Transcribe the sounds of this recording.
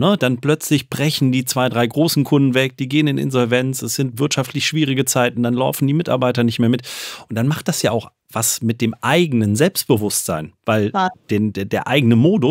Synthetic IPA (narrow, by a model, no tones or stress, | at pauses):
nəd̥anplœt͡slɪçb̥ʁɛçn̩diːt͡sv̥aɪdʁaɪɡʁoːsn̩kʰʊndn̩vɛk̚d̥iːɡeːənɪnʔɪ̰nzɔlvɛnt͡sɛsz̥ɪntv̥ɪɐtʃaftʰlɪçʃv̥iːʁ̞ɪɡət͡saɪtn̩d̥anlaʊfn̩diːmɪta̰ɐbaɪtɐnɪçtmeːɐmɪtʔʊnt̚d̥anmaχt̚d̥asjaːaʊx | v̥asmɪt̚d̥eːmʔaɪɡənənzɛlpst̚b̥əvʊstz̥a̰ɪnvaɪld̥eːdedeːɐʔaɪɡənəmoːdʊ